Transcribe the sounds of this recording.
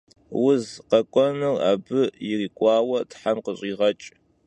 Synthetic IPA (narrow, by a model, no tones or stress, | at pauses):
wʊzqɐkʷʼɔnɨra̰ːbɨjɪriːkʷʼɑːwɐtʰħamqəɕʼiːʁɐt͡ʃʼ